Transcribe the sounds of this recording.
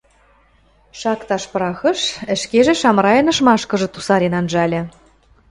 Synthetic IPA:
ʃɑkt̪ɑʃpɾɑxɤ̆ʃə̆ʃkeʒĕʃɑmɾɑjɤ̆nɤ̆ʃmɑʃkɤ̆ʒɤ̆t̪usɑɾenɑnʒɑlʲɘ̆

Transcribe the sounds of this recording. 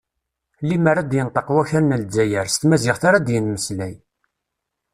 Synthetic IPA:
liməɾad̪jənt̪ˤəqwæçæɾnəld͡zːæjəɾst̪mæzɪʁθaɾad̪jənməslæj

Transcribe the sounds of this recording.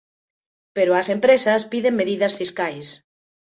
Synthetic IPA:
peɾʊɐsempɾesɐspiðeŋmeðiðɐsfiskajs

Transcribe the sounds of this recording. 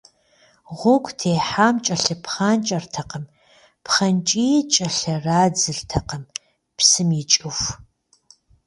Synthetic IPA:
ʁʷʊkʷʼtʰeːħaːmt͡ʃʼɐɬɨpχaːnt͡ʃʼɐrtʰɐqəm | pχɐnt͡ʃʼit͡ʃʼɐɬɐraːd͡zɨɬtʰɐqəm | psɨmit͡ʃʼɨf

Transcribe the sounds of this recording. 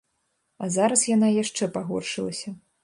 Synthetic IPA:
ɐzaɾɐsjanajaʂt͡ʂɛpaɣɔ̰rʂɨlˠɐsʲɐ

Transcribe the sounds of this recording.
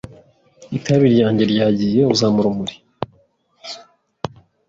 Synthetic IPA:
itʰaβiɾjaːɲɟe̞ɾjaːɟijeuzamuɾumuɾi̥

